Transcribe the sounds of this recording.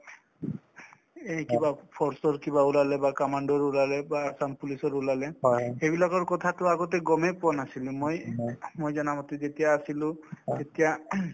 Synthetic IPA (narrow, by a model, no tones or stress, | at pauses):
ekibapʰɔɹsɔɹkibaulalɛbakɔmaɳdɔɹulalɛbaːsampulisɔɹulalɛxebilakɔɹkɔtʰatʊaɡɔtɛɡɔmɛpʊanasilʊ̃mojmojzanamɔtezetijaːsilʊ̃etija